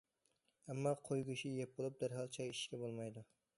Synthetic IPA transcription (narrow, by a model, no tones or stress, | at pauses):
amːɒqʰojɡʲʊʃɪjep̚bolˠɪp̚d̪aɾɦɑlˠt͡ʃʰajɪʃkʲabolˠmajd̪ʊ